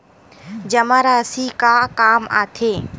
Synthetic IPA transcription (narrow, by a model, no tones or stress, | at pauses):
d͡ʒɐmaɾaːsikakaːma̰ːt̪ʰeː